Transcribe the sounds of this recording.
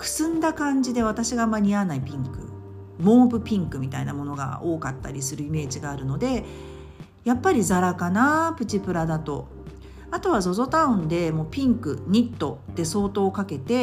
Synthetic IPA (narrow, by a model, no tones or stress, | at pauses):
kɯ̟̥sɨ̃nd̪akãɲ̟d͡ʑid̪e̞βat̪aɕiɡaːmːaɲ̟ianaipʲĩŋkɯ̟̰ | mo̞ːbɯ̟pʲĩŋkɯ̟mʲit̪a̰inamo̞no̞ɡa̰o̞ːkat̪ːaɾʲisɨɾɯ̟ime̞ːʑiɡaːɾɯ̟no̞d̪e̞ | japːaɾʲizaɾakanapɯ̟t͡ɕipɯ̟ɾad̪at̪o̞̰ | at̪o̞β̞azo̞zo̞t̪aɯ̟̃nd̪e̞mo̞ːpʲĩŋkɯ̟ɲ̟ʲit̪ːo̞d̪̥e̞so̞ːt̪o̞ːkake̞t̪e̞